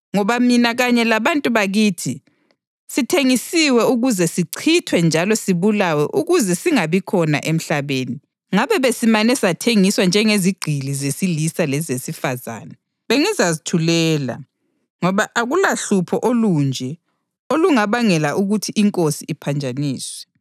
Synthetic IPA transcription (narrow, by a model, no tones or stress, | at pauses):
ŋɔβaminaɣaɲɛlaβantʼuβaɣiːtʰi | sitʰeŋisiwɛuɣuzɛsiǀʰitʰwɛnd͡ʒʱalɔsiβulawɛʔuɣuzɛsiŋaβikʰɔna̰ʔem̩ɬaβeːni | ŋaβɛβesimanɛsatʰeŋiswand͡ʒʱɛŋeziɡ͡ǃʱilizesilisalɛzesifaza̰ːnɛ | βeŋizazitʰulɛːla̰ | ŋɔβaʔaɣulaɬupʰɔʔolund͡ʒʱɛ | oluŋaβaŋɛlaʔuɣutʰiʔiŋkʼosiːpʰand͡ʒʱaniːswɛ